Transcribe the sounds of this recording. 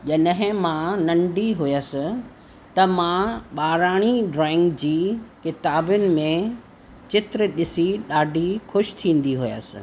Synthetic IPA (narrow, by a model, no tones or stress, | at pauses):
ʄɐɗɦɪ̃mãnɐ̃ɳɖiɦʊjəsɪ | t̪ɐmãɓaːɾaːɽ̃iɖɾɔːɪ̃ŋɡd͡ʑiːkɪt̪aːbʊnɪ̆mẽ | t͡ɕɪt̪ɾəɗɪsiɗaːɖʱixʊʃt̪ʰĩːn̆d̪iɦʊja̰sɪ̰